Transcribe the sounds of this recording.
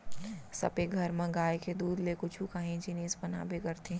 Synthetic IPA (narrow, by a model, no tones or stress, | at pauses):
sɐ̰beɡʱɐɾmɐ̃ɡaːeked̪uːd̪lekʊt͡ʃʰukaːɦẽd͡ʒinispɐna̰ːbʱekɐɾt̪ʰẽ